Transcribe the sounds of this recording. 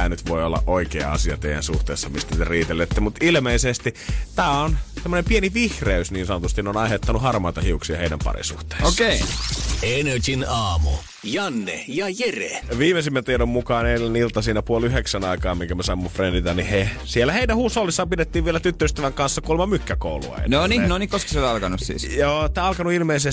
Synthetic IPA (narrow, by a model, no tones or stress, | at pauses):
æːnyt̪ʋoio̰lːɑ̰ʔʔoikḛːɑ̰siɑ̰t̪ḛijæ̰nsuht̪ḛːsːɑmist̪ænt̪eriːt̪elːet̪ːemut̪ilmeisest̪it̪æːonsemːonempieniʋihreysniːnsɑnot̪ust̪ineonɑˑihet̪ːɑnuhɑrmɑˑit̪ɑhiuksiɑheidæ̰mpɑ̰rḭsṵhtt̪e̥ːsokeienøt͡ʃinɑːmṵ | jɑnːḛjɑjerḛʋiːmesimːæt̪iedommukɑːneilːænilt̪ɑsiːnæpuolyheksænɑikɑːmmiŋkæmæsɑimːufrendit̪ɑnihe | sielːæheidæhuːsːolːisːɑːmpidet̪ːiːʋʋielæt̪yt̪ːøryst̪øʋæŋkɑnsːɑkuolmɑmykːæko̰ulṵɑ̰ḛneonineonikoski̥selɑlkɑnussḭːsjoːt̪ːæːɑlkɑnuilmeise